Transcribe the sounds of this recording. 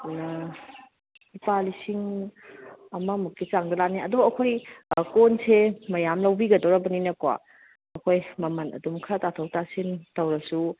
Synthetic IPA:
nɐ | ipalisiŋ | ɐmɐmukːit͡ʃaŋdɐlaniɐdoɐkʰojkonsemɐjamlɐwbiɡɐdoɾɐbɐninɐkwa̰ | ɐkʰojmɐmɐnɐ̰dumkʰɐtatʰɐwtasintɐwɾɐsu

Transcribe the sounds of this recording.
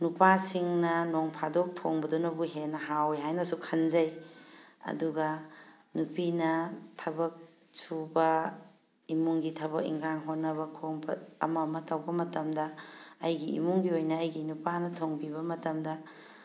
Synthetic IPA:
nupasiŋnɐnoŋpʰadok̚tʰoŋbɐdonɐbuɦenɐɦaweɦajnɐsukʰɐnzɐj | ɐ̰duɡɐ | nupinɐtʰɐbɐk̚ | subɐ | imuŋɡitʰɐβɐkḭŋɡaŋɦotnːɐβɐkʰoŋbɐɐ̰mɐmɐtɐwbɐmɐtɐmdɐːjɡiḭmuŋɡiojnɐːjɡinupanɐtʰoŋbiβɐmɐtɐmdɐ

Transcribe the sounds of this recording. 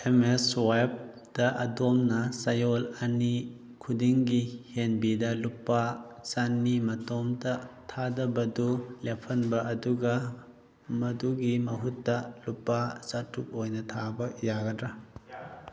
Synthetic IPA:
emeswajp̚ | d̥ɐʔɐdomnɐsɐjolɐni | kʰudiŋɡihenbidɐlupːasanːimɐtomdɐtʰadɐbɐdulepʰɐnbɐʔɐduɡɐ | mɐduɡimɐɦutːɐlupːasatʰːup̚ojnɐtʰabɐjaɡɐdɾɐ

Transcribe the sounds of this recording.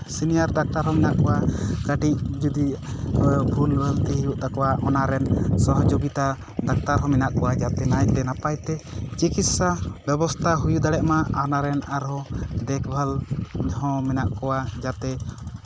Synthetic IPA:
sinijaɾd̪ak̚t̪aɾɦɔ̃mɛnaʔkɔwakəɖiʔ̚d͡ʒud̪i | bʱulbʱəlt̪iɦijuʔt̪akɔwaʔɔnaɾɛnsɔɦɔd͡ʒoɡit̪a | d̪ak̚t̪aɾɦɔ̃mɛnaʔkɔwad͡ʒat̪ɛnajt̪ɛnapajt̪ɛt͡ʃikit̪sabɛbɔst̪ʰaɦujud̪aɽɛʔmaanaɾɛnaɾɦɔ̃d̪ɛkbʱalɦɔ̃mɛnaʔkɔwad͡ʒat̪ɛ

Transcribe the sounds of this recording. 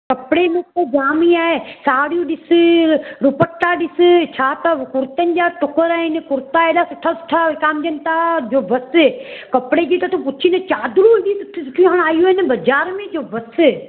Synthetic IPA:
kɐpɽenokod͡ʒaːmiaːesaːɽjũɗɪs | ɾʊpəʈːaɗɪst͡ʃʰaːt̪ɐkʊɾt̪ənɪ̆d͡ʒaːʈʊkəɾaːɪnɪkʊɾt̪aeːɗaːsɪʈʰːaːsɪ̥ʈʰakaːmd͡ʒɐnt̪ad͡ʒoːbɐskɐpɽed͡ʒit̪ɐt̪opʊt͡ʃʰinɐt͡ʃaːd̪ɾudit̪ʊt̪ʰʊʈʰĩɦaɽ̃aːjuːɪnɪbɐd͡ʒaːɾmẽd͡ʒoːbɐs

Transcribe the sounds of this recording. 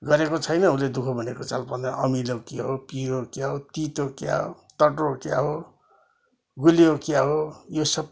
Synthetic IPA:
ɡʌɾekot͡sʰʌjnʌuled̪ukʰʌbʱʌnekot͡salpʌnd̪ʌʔʌmilʌkaɦopiɾokjaɦot̪it̪okja̰ɦo̰t̪ʌʈookja̰ɦo | ɡuliokjaɦojosʌb

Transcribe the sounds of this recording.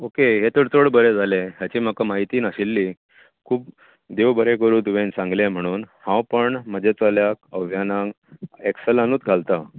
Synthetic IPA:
okeɦet̪əɽt͡soɽbəɾed͡zʱaleɦjat͡ɕiːm̤akamaɦit̪iːnaɕilːiː | kʰuːp̚ | d̪ewbəɾekəɾuːt̪uʋẽnsãŋɡlem̤əɽ̃uːnhãwpəɳməd͡ʑʱet͡saljakəʋjanãŋ | eksəlanuːt̪ɡʱalt̪a

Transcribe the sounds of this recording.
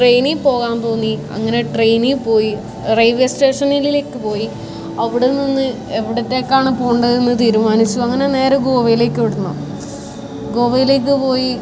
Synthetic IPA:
ʈrejnipo̞ːɣaːnt̪oːŋːiɐ̰ŋːɐne̞ʈrejnipo̞ːji | rɐjʋjesʈe̞ːʂɐnilile̞ːkːɨpo̞ːji | ɐʋiɽeninːɨ | e̞ʋiɽɐtːe̞kːaːɳɨpoːuɳɖɐðenːɨt̪̬iːɾumaːnit͡ɕːuɐŋːɐne̞ne̞ːɾɐɡo̞ːʋɐjile̞ːkːɨʋiɽunːo̰ | ɡo̞ːʋɐjile̞ːk̬ːɨpo̞ːji

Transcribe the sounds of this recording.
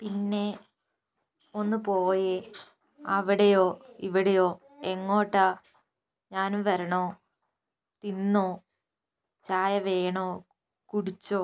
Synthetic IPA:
pinːe̞ | o̞nːɨpo̞ːje | ɐʋiɽejoːiʋiɽejoː | eŋːo̞ːʈːa | ɲaːnuʋɐɾɐɳoː | t̪inːoː | t͡ɕaːjɐʋeːɳoː | kuɽit͡ɕːo̞ː

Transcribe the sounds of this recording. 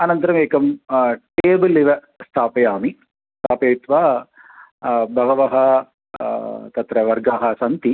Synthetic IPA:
ɐnɐnt̪ɐɾɐmeːkɐmʈeːbɐlːiʋɐ | st̪ʰaːpɐjaːmi | st̪ʰaːpeːt̪ʋaː | bʱɐɡɐʋɐɦɐ | t̪ɐt̪ɾɐʋɐɾɡaːɦɐsɐnt̪i

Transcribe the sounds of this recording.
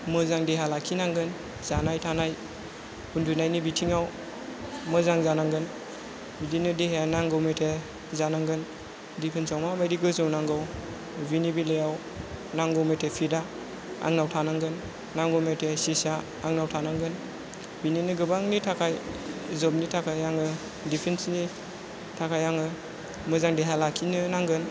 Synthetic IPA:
mɯzaŋdeɦalakʰinaŋɡɯn | z̥anajtʰanaj | hundunajnibitʰiŋaw | mɯzaŋzanaŋɡɯn | bidinɯdiɦejanaŋɡɔwmetʰe | zanaŋɡɯn | dipʰɯnsawmabajdiɡɯzɯwnaŋɡɔw | binibilejaw | naŋɡɔwmetʰepʰida | a̰ŋnawtʰanaŋɡɯnː | aŋɡɔwmetʰesisaː | ŋnawtʰanaŋɡɯn | bininɯɡɯbaŋnitʰakʰajzɔb̚nitʰakʰajaŋɯ | dipʰensni | tʰakʰajaŋɯ | mɯzaŋdeɦalakʰinɯnaŋɡɯn

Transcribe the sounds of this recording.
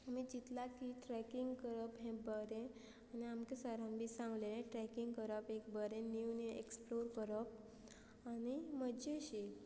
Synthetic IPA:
amid͡ʑit̪lakiʈɾɛkiŋɡkəɾəpɦɛ̃bəɾẽ | aniamkesəɾãmbʱiːsãŋɡlenẽʈɾɛkiŋɡkəɾəpekbəɾẽniunieksploɾkəɾəp̚ | añiməd͡ʑeɕi

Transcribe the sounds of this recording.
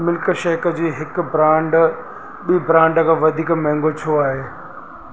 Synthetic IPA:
mɪlkəʃɛːkəd͡ʑiːɦɪkbɾãːɳɖ | ɓiːbɾãːɳɖəkʰãːʋɐd̪ʱiːkmɛ̃ɦŋɡot͡ɕʰoaːɦeː

